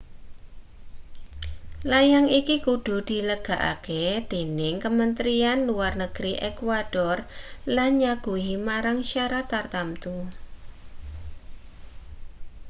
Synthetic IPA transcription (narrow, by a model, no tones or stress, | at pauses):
lajaŋikikuɖ̥ṳd̪̥i̤ləɡ̥a̤ʔa̰ked̪̥e̤nɪŋkəmənt̪ɾianluarnəɡ̥ɾiʔɛkwaɖ̥ɔrlanɲaɡ̥uimaɾaŋʃaɾat̪art̪amt̪u